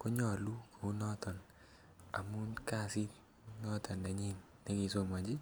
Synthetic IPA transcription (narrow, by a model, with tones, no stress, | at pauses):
ko˦ɲɔ˦˨lu˦ko˨u˦nɔ˦tɔ˨n | a̰˨mu˦nka˦si˦t̚ | nɔ˦tɔ˨nda˨ɲi˦˨n | ne˦ki˨so˦ma˨d͡ʒi˦